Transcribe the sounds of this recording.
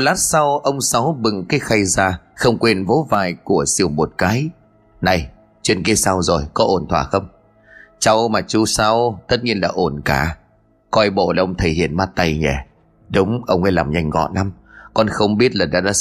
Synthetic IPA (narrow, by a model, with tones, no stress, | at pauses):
laː˦˥t̚sa˧wʔə˧wŋ͡msa˨˦wɓɨ˨˩ŋkaː˨˦jxa˧jzaː˧xə˧wŋ͡mkwe˧nvo˨˦vaː˨˩jku˧˩əsi˧˩əwmo˨˩t̚kaː˨˦j | na˨˩j | t͡ɕwḭ˧˨ənki˧˦əsa˧wzo˨˩jkɔ˨˦ʔo˧˩nt̪ʰwaː˧˩xə˧wŋ͡m | t͡ɕa˧wmaː˨˩t͡ɕu˧sa˧wt̪ə˦˥t̚ɲi˧ənla̰ː˧˥ʔo˧˩nkaː˧˩ | kɔ˧jɓo̰˧˨la˨˧˩ʔə˧wŋ͡mt̪ʰə˨˧˩jhḭ˧˨ənmaː˦˥t̚t̪a˧jŋɛ˨˧˩ | ɗʊ˨˦wŋ͡mʔə˧wŋ͡mʔa˨˧˦laː˨˩mɲa˧jŋ̟ɣɔ̰˧˨nla˨˦m | kɔ˧nxə˧wŋ͡mɓi˦˥ət̚laː˨˩ɗa̰ː˧˥ɗa̰ː˧˥